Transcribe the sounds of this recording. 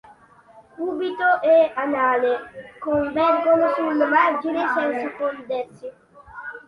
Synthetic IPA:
ubit̪oʔeanalekoɱvɛɾɡonosulːomad͡ʒinesɛnsukond̪ɛsjo

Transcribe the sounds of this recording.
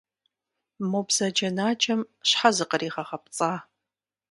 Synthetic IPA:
mopzɐd͡ʒɐnaːt͡ʃʰʼɐmɕħazɨqəɾiːʁɐχɐp̚t͡sʼaː

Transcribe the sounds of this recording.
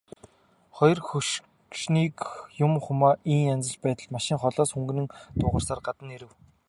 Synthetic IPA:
χɔjɞ̆rxuʃ | kʃniːkjʊmχʊmaːʔiːŋant͡sə̆t͡ɕpæːt̪ə̆ɮmaʃɪ̆ŋχɔɮɔːsxuŋɡ̆nɘ̆ŋt̪ʊːʁə̆rsaːrɢat̪ə̆neɾɘ̆w

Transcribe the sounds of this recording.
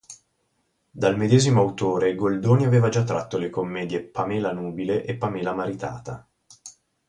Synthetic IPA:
d̪almed̪eːzimoawt̪oːɾeɡold̪oːniaveːvad͡ʒat̪ːɾa̰t̪ːolekomːɛːd̪jepamɛːlanuːbileʔepːamɛːlamaɾit̪a̰ːt̪a

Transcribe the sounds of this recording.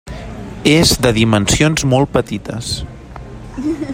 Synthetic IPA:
ezd̪əðimənsionzmɔlˠt̪̚pət̪it̪əs

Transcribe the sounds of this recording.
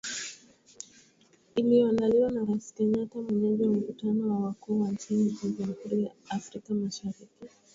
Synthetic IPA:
iliandaliwanaɾaisi̥kɛɲatamwɛɲɛʄawam̩kutanɔwawakuːwant͡ʃinid͡ʒid͡ʒamhuɾijaːfɾikamaʃaɾiki

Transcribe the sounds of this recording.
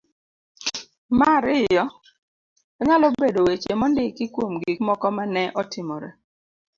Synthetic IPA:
maɾɪjɔ | ɔɲalɔbedowet͡ʃemɔndɪkɪkwomɡikmɔkɔmanɛʔɔtɪmɔɾɛ

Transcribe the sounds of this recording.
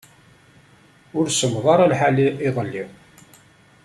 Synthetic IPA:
ʊɾsəmðˤɑɾˤælħaliiðˤəlːiw

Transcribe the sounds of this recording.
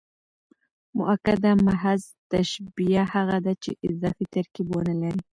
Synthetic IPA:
mʊ̰ʔakad̪amaɦaz | t̪aʃbijahaɣad̪at͡ʃeʔɪzɑfit̪aɾkibwonalaɾi

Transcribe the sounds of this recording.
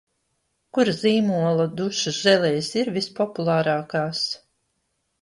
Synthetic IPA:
kuɾaziːmuɔlˠad̪uʃazɛlʲɛjsiɾvʲispɔpulˠɑːɾaːkaːs

